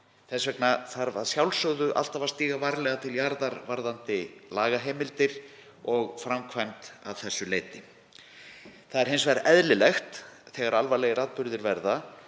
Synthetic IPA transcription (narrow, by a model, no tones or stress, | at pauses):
θɛsvɛknaθaɾva̰ðsjawlsœɣðʏʔa̰l̥t̪avaɾst̪iːɣavaɾlɛɣat̪ʰɪljaɾðaɾvaɾðant̪ɪlaːɣaɦejmɪlt̪ɪɾ̥ | ɔɣfɾamkʰvajmt̪av̥θɛsːʏleːjt̪ɪ | θaðɛɾ̥ɦensvɛɾaɛðlɪlɛxt̪θɛːɣaɾalvalɛjɪɾaːðpʏɾðɪɾvɛɾða